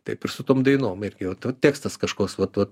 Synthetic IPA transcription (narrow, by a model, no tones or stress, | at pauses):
t̪ɐɪpɪrsʊt̪oːmd̪ɐɪnoːmɪrʲɡʲɪʋɐt̪ɐt̪ʲeːkst̪ɐskɐʃkoːsʋɐt̪ʋɐt̪